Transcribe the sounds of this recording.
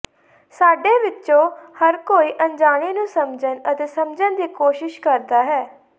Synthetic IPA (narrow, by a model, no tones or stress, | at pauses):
saːɖeːʋɪt͡ʃːt͡ʃõːhəɾkoːiːʔənd͡ʒaːɽ̃eːnũːsəmd͡ʒənət̪eːsəmd͡ʒənd̪iːkoːʃɪʃkəɾd̪aːɦɛː